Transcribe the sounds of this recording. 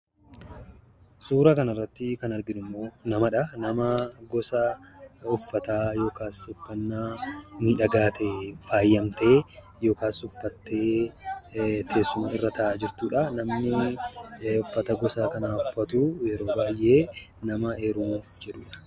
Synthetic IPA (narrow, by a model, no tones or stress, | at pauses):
suːɾɐkɐnɐrːɐt̪ːɪkɐnɐɾɡɪnʊmːo̞ːnɐmɐᶑɐnɐmɐɡɔsɐʊfːɐt̪aːjo̞ːkaːsʊfːɐnːaːmiːᶑɐɡaːt̪ʰefaːjːɐmt̪e̞ː | jo̞ːkaːsʊfːɐt̪ːe̞ː | t̪ʰe̞ːsːʊmɐɪrːɐt̪ʰɐʔaːd͡ʒɪɾt̪uːᶑɐnɐmnɪ | ʊfːɐt̪ɐɡɔsaːkɐnaːʊfːɐt̪uːjɛɾo̞ːbaːjʔe̞ː | nɐmɐe̞ːɾʊmuːfd͡ʒɛᶑuːᶑɐ̥